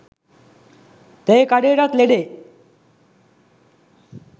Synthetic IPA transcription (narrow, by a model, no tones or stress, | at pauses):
t̪ejkaɽeɽat̪leɽe